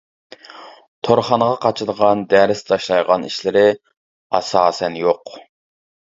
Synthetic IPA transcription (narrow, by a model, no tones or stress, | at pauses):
t̪ʰoɾχɑnʁɑqʰɑt͡ʃʰɨd̪əʁɑnd̪æɾɪst̪ʰɑʃlˠɑjʁɑniʃlɪɾɪ | ɑsɑːsɛnjoq